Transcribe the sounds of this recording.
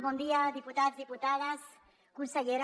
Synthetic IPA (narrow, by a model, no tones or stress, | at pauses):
βɔnd̪iaðiput̪azðiput̪aðas | kunseʎeɾ